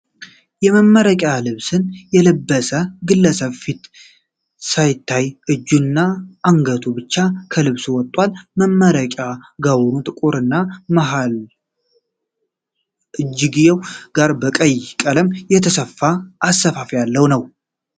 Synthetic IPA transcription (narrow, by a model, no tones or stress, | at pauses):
jɛməmːəɾəkʼalɨβsɨnjɛləbːəsəɡɨlːəsəβfit̪ | sajɪt̪ʰːajʔɨd͡ʒːunːaʔaŋɡət̪ʰubɨt͡ʃːakʰəlɨβsuwɔt̪ʼːwalməmːəɾəkʼaɡawnut̪ʼɨkʼuɾɨnːaməɦal | ʔɨd͡ʒːɡɨzewɡ̥aɾbəkʼəjːkʼələmjɛt̪ʰəsəfːaʔːsəfafjalːəwnəw